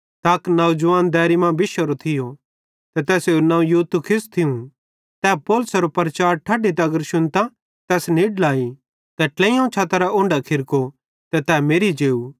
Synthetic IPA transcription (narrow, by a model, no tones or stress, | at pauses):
t̪aːknɐud͡ʒʊʋaːnd̪ɛːɾimãbɪʃəɾot̪ʰɪjo | t̪ɛt̪ɛːsenãːũjut̪ukʰɪst̪ʰɪũ | t̪ɛːpoːlʊsɾopɐɾɐt͡ʃaːɾʈʰaːɖit̪ɛɐɡəɾʃʊnt̪a | t̪ɛːsniːɖlaːi | t̪ɛʈlɛ̃ːjãt͡ʃʰaːt̪ɐɾaʊ̃ɳɖakʰɪɾko | t̪ɛt̪ɛːmeːɾid͡ʒeːuː